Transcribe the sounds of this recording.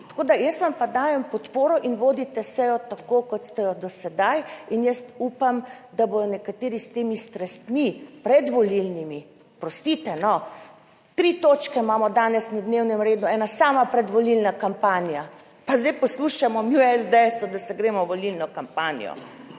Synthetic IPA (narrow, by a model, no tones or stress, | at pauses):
t̪ḁkoːd̪ajəst̪ʋampad̪aːjɛmpɔt̪poːɾɔʔinʋoːd̪it̪ɛsɛjɔt̪akokɔt̪st̪ɛjɔd̪ɔsɛd̪ajinjəst̪uːpamd̪abod̪ɔnɛkat̪eːɾist̪eːmist̪ɾɛst̪mipɾɛd̪ʋɔlilnimi | pɾɔst̪it̪ɛnɔ | t̪ɾit̪oːt͡ʃkɛmaːmɔd̪aːnɛsnad̪newnɛmɾeːd̪uɛːnasaːmapɾɛd̪ʋɔlilnakampaːnija | pazd̪ɛjpɔsluʃamɔmiwɛzd̪ɛɛsɔd̪asɛɡɾeːmɔʋɔlilnɔkampanḭjɔ̰